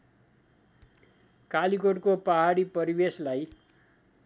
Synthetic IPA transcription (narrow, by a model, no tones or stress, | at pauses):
kalikoʈkopʌɦaɽipʌɾibeslaj